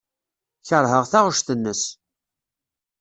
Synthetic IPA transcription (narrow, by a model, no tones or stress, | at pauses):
çəɾˤɦəʁθaʁʊʃθənːəs